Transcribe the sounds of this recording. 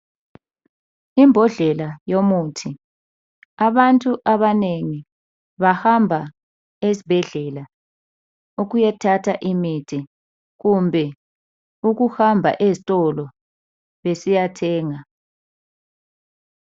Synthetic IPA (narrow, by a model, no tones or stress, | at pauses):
imbʱɔɮɛlajomutʰi | aβantʼuʔaβaneŋi | βahambʱa | ezib̥ʱɛɮɛla | uɣujɛtʰatʰaʔimitʰi | ɣumbʱɛ | uɣuhambʱa̰ʔezitʼɔlɔ | βesijatʰɛːŋa